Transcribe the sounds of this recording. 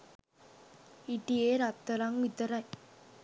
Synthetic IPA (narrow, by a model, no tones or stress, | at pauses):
iʈːieɾat̪ːɐɾaŋit̪ːɐɾaj